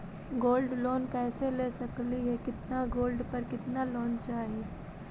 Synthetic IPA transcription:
ɡoːlɖloːnkɛːseleːsɐkliɦɛkɪt̪naɡoːlɖpɐɾkɪt̪naloːnt͡ʃaːɦie

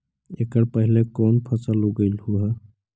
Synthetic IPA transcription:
ekəɽpəɦilekoːnpʰət͡səloɡəɪlhuɦə

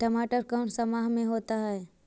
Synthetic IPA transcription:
ʈɐmaːʈəɾkãːɳʈsɐmaːɦmẽɦoːt̪aɦɛː

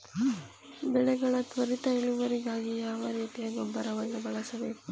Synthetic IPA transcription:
bɛɭɛɡɐɭɐt̪ʋɐɾit̪ɐɛɭuʋɐɾiɡaːɡijaːʋɐɾjɐt̪ːiɐɡombɐɾɐʋɐnːubɐɭɐsɐbeːku

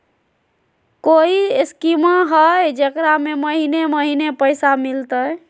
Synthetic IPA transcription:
koiskimaɦəjd͡ʒekɾameməɦineməɦinepəjsamilt̪əj

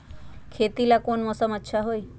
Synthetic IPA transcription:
kʰet̪ilakonmɔsəmətːʃʰaɦoj

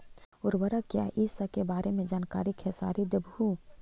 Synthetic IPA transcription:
ʊɾbəɾəkja̰ːʔiːsəkebaːɾemẽd͡ʒaːnka̰ːɾikʰesa̰ːɾid̪əbʱu

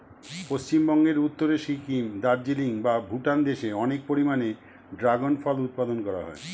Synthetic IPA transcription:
post͡ɕimbɔŋɡeɾut̪ːoɾeʃikimd̪aɾd͡ʑiliŋbabʱuʈand̪eʃeɔnek̚poɾimane | ɖɾaɡonfɔlut̪̚pad̪onkɔɾa̰ɦɔ̰e

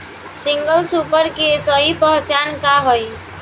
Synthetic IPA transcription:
siŋɡəlsupəɾkesəɦipəɦt͡ʃankaɦoj

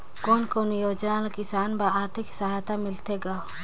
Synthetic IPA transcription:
koːnkoːnjoːd͡ʒnalakɪsaːnbaaːɾt̪ʰɪksaɦaːt̪ʰamɪlt̪eɡaːo

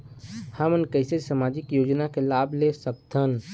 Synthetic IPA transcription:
həmənkəɪsesamaːd͡ʒɪkjoːd͡ʒnakelaːblesək̚t̪ʰən

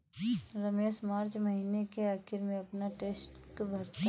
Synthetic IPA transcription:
ɾɐmeːʃmaːɾt͡ʃmɐɦiːnekeaːkʰɪɾmẽɐpnaʈeːsʈkbʱɐɾt̪i

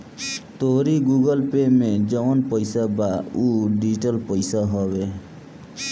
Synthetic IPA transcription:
t̪oɦɾiɡuɡəlpemed͡ʒɔnpəjsabauɖiʈəlpəɪsaɦɔβe

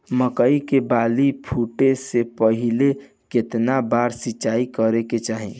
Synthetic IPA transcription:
məkəikebaːlipʰuːʈesepəɦɪle | kɪt̪nabaːɾsɪt͡ʃːaːikəɾeket͡ʃaːɦḛ̃

